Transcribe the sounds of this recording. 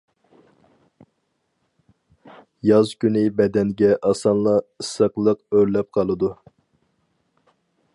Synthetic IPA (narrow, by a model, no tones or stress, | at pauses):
jɑzkʲynɪbɛd̪ɛnɡʲɛʔɑsɑnlˠɑɨsəqlˠəqøɾlɛp̚qʰɑlˠɨd̪u